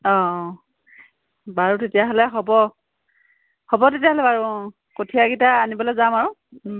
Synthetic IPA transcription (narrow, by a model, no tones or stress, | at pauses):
ɔ̃ | baɹutetijaɦɔlɛɦɔbɔ | hɔbɔtetijaɦɔlɛbaɹu | kotʰijaɡitaːnibɔlɔjzamaɹʊ̃